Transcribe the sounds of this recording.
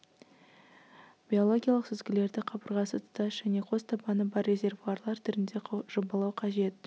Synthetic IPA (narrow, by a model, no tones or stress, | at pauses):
b̥ʲio̞lˠo̞ɡʲijalˠəqsɪzɡʲɪle̞ɾd̪ɪqʰɑbəɾʁɑsət̪ʰʊ̥t̪ɑsʒ̥æne̞qʰo̞zt̪ʰɑbɑnəbɑrːe̞zʲe̞rvuarlˠɑɾt̪ʰʏɾɪnd̪e̞ʒobɑlˠɑwqʰɑʒe̞t̪